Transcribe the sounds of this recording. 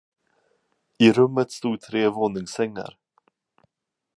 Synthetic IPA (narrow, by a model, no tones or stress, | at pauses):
ɪɾɵmːət̪st̪uːd̪̚t̪ʰɾeːvoːnɪŋsɛŋːa̰ɾ